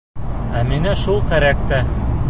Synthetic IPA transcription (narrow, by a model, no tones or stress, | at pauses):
æminæʃulˠqæɾækt̪æ